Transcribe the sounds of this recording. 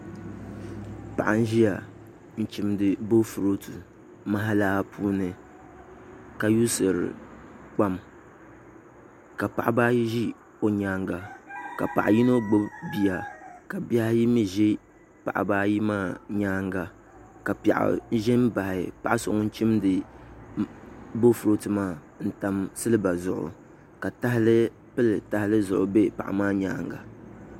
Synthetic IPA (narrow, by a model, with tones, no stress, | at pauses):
pa̰˨ʔa˨n̩˦ʒi˦ja˨ | n̩˨t͡ʃi˨mdɨ˨bo˦fu˨ɾo˦tu˨ | ma˦ɦa˦laː˦pʰuː˦nɨ˨ | ka˨ju˦sɨ˨ɾɨ̰˨k͡pa˦m | ka˨pa̰˨ʔa˦baː˦ji˦ʒi˦ | o˨ɲaː˦ŋɡa˨ka˨pa̰˨ʔa˨ji˦no˦ɡ͡bo˦bbi˨ja˨ka˨bja˦hji˦mi˦ʒi˦ | pa̰˨ʔa̰˨baː˦ji˦maː˦˨ɲaː˦ŋɡa˨ | ka˨pa̰˨ʔa̰˨˦ʒɛ˦nba˨hɪ˨pa˨ʔa˦sʊ˨ʔŋ˦n̩˦t͡ʃi˦mdɨ˨ | bo˦fu˨ɾo˦tɨ˨ma˦ | n̩˨ta˨msɨ˦lɨ˦ba˨zʊ˨ʔʊ̰˨ | ka˨ta˦hɪ˦lɨ˦ | pɨ˦lɨ˨ta˨hɪ˦lɨ˦zʊ̰˨ʔʊ̰˨be˦pa̰˨ʔa̰˨maː˦ɲaː˦ŋɡa̰˨